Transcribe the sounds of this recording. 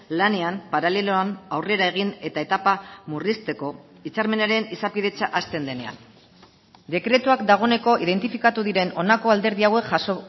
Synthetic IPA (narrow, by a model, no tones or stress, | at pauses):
lane̞ampaɾale̞loanawre̞ɾae̞ɣ̞ine̞t̪ae̞t̪apamurist̪e̞ko̞ | it͡saɾme̞naɾe̞nisapiðe̞t͡ʃaʔast̪e̞nd̪e̞ne̞a̰n | d̪e̞kɾe̞t̪uakd̪aɣ̞o̞ne̞ko̞ið̞e̞nt̪ifikat̪uðiɾe̞no̞nako̞ald̪e̞ɾðiawe̞kʝaso